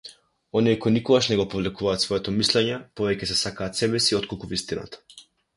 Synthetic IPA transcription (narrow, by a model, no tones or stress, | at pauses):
ɔniɛkɔjnikɔɡaʃnɛɡɔpovlɛkuvaːt̪svɔjɛt̪ɔmislɛɲɛpɔvɛcɛsɛsakaːt̪sɛbɛsiɔt̪̚kolˠkuvist̪ina̰t̪ḁ